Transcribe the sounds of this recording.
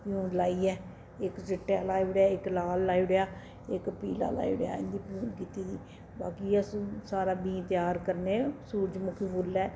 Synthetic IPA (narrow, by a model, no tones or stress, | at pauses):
pɪjuːnlaːiːɛː | ɪkd͡ʒɪʈːjaːlaːiɽjaːɪklaːlːaːiɽeaː | ɪkpiːla̰ːla̰ːḭːɽeja̰ːḭ̃nd̪iːpjũːnkiːt̪iːd̪iː | baːkiːassaːɾaːbĩːt̪ɪjaːɾkəɾneːsuːɾd͡ʒmʊkʰiːbʊlːɛː